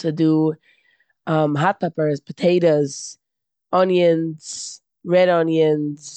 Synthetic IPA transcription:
tʰədu | ʌmɦat̚pʰɛpə˞zpʰətʰeɪɾəz̥ | ʌnjə̃nz̥ | ɹɛɾʌnjənz̥

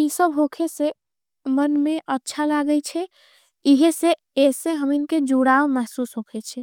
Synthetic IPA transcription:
isəbɦokʰese | mənmeʔətːʃʰalaɡət͡ʃʰɛ | iɦese | eseɦəminked͡ʒuɽaomɛɦsusɦokʰɛt͡ʃʰɛ

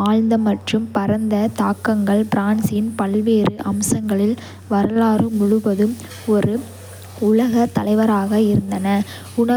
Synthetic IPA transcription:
aːɻnd̪ɐmɐʈrɯmpɐɾɐnd̪ɐt̪aːkːɐŋɡɐɭbɾaːnsjɪnpɐlʋeːɾɯʔɐmsɐŋɡɐɭɪl | ʋɐɾɐlaːɾɯmʊɻʊʋɐðɯm | ɔɾɯ | ʊlɐɣɐt̪ːɐlɐɪʋɐɾaːɣɐɪɾɯnd̪ɐnɐ | ʊɳɐ

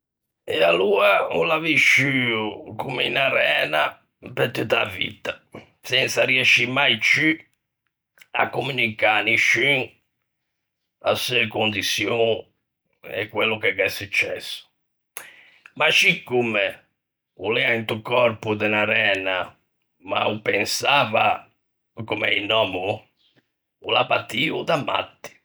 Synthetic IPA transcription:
ɛaluːaulaviʃyukumeinaɾɛːna | peɾt̪ut̪ːa̰vḭt̪a | sɛnt̪sariɛʃːimajt͡ʃy | a̰kːumynikaniʃy | a̰sɛkond̪isjo | ɛ̰kːwelːʊkɛɣɛsːut͡ʃːɛ̰sːʊ̥ | maʃikːumɛ | ulɛːaint̪ukɔɾpud̪ɛnaɾɛːna | ma̰upɛnsaːva | kumɛ̰inːɔːmu | ṵlapat̪ːiːṵd̪amːa̰t̪ːi̥

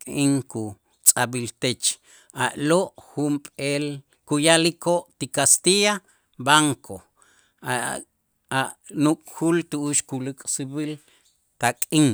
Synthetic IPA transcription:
kʼiŋku | t͡sʼabilt̪et͡ʃ | aʔloʔxumpʼel | kujalikoʔt̪ikast̪ija | baŋkʰo | a | aʔnukʼxult̪uʔuʃkulikʼsibil | t̪akʼiŋ

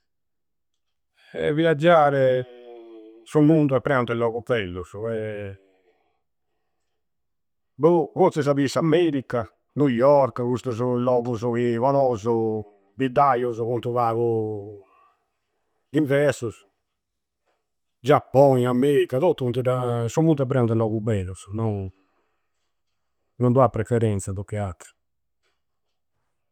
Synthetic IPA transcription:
ɛ̰viad͡ʒːaːɾɛ | sumund̪uɛpːɾɛunt̪ɛlːɔːɣup̪ɛlːuzɛ | buvosɛz̬aβisamɛːɾikːa | nujɔɾkɣust̪uzulɔːɣuzuivanɔːzu | bid̪ajuzkunt̪uvaːɣu | iɱvɛɾsus | d͡ʒapːɔnamɛɾikːat̪ɔt̪ːuunt̪uɾasumult̪ɛpːɾɛnud̪ɛlɔɣubɛlːusnɔ | nɔnd̪uapːɾɛfɛɾɛnt̪saðɔkːɛat̪ɾi̥

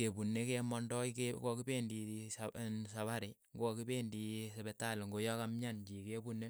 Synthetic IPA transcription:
kebunekemɔndɔkekokibendi | saβaɾi | ŋɡokibendisebetalŋɡojɔkamɲand͡ʒikebunːe

